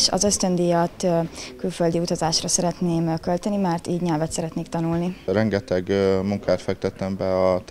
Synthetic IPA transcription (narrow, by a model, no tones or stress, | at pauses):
ʃɒ̰zø̞st̪ø̞nd̪ijɒt̪kylføld̪iut̪ɒzaːʃrɒsɛɾɛt̪neːmkølt̪ɛnimaːrt̪iːɟɲɛlvɛt̪sɛɾɛt̪neːkt̪ɒnulnirɛŋɡɛt̪ɛɡmuŋkaːt̪fɛk̚t̪ɛt̪ɛmbɛɒt̪